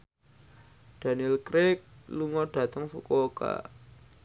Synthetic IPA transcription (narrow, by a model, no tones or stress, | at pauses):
d̥a̤nilkɾɪk̚luŋɔɖ̥ä̤t̪əŋfṵkoka̰